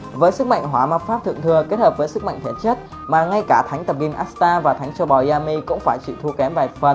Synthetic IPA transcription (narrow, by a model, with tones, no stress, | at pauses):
vəː˨˦jsɨ˦˥k̚ma̰˧˨jŋ̟ɦwaː˨˦ma˨˩t̚faː˦˥p̚t̪ʰɨ̰˧˨əŋt̪ʰɨ˨˩əke˦˥t̚həː˨˩p̚vəː˨˦jsɨ˦˥k̚ma̰˧˨ŋt̪ʰe˨˦t͡ɕə˦˥t̚ | maː˨˩ŋa˧jkaː˧˩t̪ʰa˨˦jŋ̟t̪ə˨˩p̚ki˧nʔaː˦˥st̪aː˧vaː˨˩t̪ʰa˨˦jŋ̟t͡ɕɔ˧ɓɔ˨˩zaː˧mi˧kʊ̰˧˥ŋ͡mfaː˧˩jt͡ɕḭ˧˨t̪ʰu˧kɛ˨˦mva˨˩fə˨˩n